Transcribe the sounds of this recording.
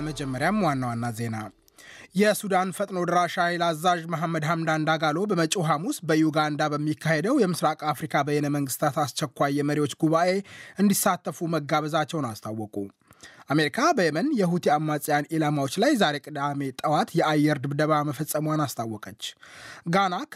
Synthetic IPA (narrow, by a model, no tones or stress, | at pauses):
məd͡ʒɛmːəɾjamwanːawanːaze̞na | jɛsud̪anfət̪ʼno̞d̪əɾaʃajlazaʒməɦamːəd̪hamd̪and̪aɡalo̞bəmət͡ʃʼoɦamusbəjuɡand̪abəmːikːahe̞d̪əwjɛmɨsɾakʼafɾikʰabəjenəməŋɡɨst̪ʰat̪ast͡ʃɛkʷːajːɛməɾiwo̞t͡ʃːɡuβaʔe̞ɨnd̪isːat̪ʰːəfuməɡːaβəzat͡ʃːɛwnast̪ʰawːɔkʼu | ʔame̞ɾikʰabəjɛmənjɛhut̪ʰiamːasʼjanelamawo̞t͡ʃːlajzaɾe̞kʼɨd̪ame̞t̪ʼəwat̪jɛʔajːɛɾd̪ɨbd̪əβaməfəsʼːəməwanast̪ʰawːɔkʼət͡ʃːɡanak